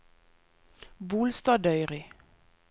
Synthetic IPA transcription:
buːlst̪ɑːd̪œʏʁɪ

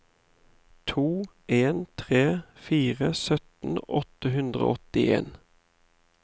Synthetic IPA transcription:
t̪ʰuː | ʔeːnt̪ʰʁeːfiːʁəsœt̪n̩ʔɔt̪əɦʉnd̪ʁo̰ːɔt̪ɪḛːn

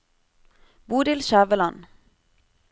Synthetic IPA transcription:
buːd̪ɪlʃæːʋəlɑn

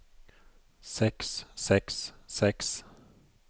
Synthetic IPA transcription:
sɛkssɛkssɛks

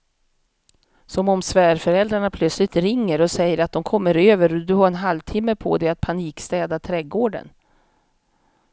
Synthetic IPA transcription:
sɔmɔmsvæːɾfœɾɛld̪ɾaɳapʰlœt̪slɪt̪ɾɪŋːəɾɔsɛjːəɾat̪̚d̪ɔmkʰɔmːəɾøːvəɾɔd̪ɵhaɾɛnɦalvt̪ʰɪmːəpʰɔ̰d̪ɛat̪̚pʰaniːkst̪ɛːd̪at̪ʰɾɛɡoːɖə̰n

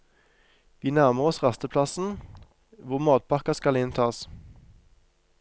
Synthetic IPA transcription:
ʋiːnæʁməʁɔsʁɑst̪əpʰlɑsn̩ | ʋʊʁmɑːt̪̚pʰɑʁkɑskɑlɪnt̪ʰɑːs

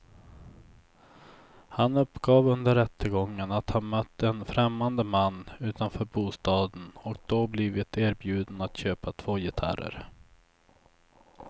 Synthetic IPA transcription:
hanɵpːɡɑːvɵnd̪əɾɛt̪ʰːəɡɔŋːənat̪hanmœt̪ʰːəɛnfɾɛmːand̪əmanːʉ̟ːt̪anfœːɾbuːst̪ɑːd̪ənɔk̚d̪̥ɔblɪvɪt̪ʰeːɾbjʉ̟ːd̪ənat̪ɕøːpat̪ʰv̥oːjɪt̪ʰa̰ɾə̰ɾ

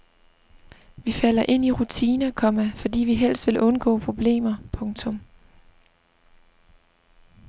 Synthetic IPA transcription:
ʋifæl̰ɐʔe̝n̰iʁut͡sʰiːnɐkʰɒ̽mæfɒ̽d̥ḭːʋiɦel̰sd̥ʋe̝lʔɔ̽nɡ̥ɔ̰ːpʰʁo̝b̥le̝̰ːmɐpʰɔ̽ŋt͡sʰɔ̽m

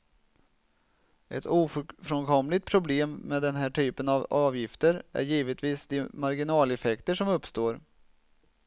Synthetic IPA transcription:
ʔɛt̪uːffɾɔnkʰɔmlɪt̪̚pʰɾʊbleːmːɛːd̪ɛnɦæːʈʰyːpənɑvɑːvjɪft̪əɾæ̰ɾjiːvət̪viːsd̪ɪmaɾɡɪnɑːlɛfɛkt̪əʂɔmɵpst̪oːɾ

